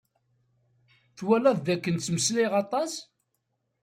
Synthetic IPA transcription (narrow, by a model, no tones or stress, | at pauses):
θwælæððækːənt͡sːməsliʁɑt̪ˤɑs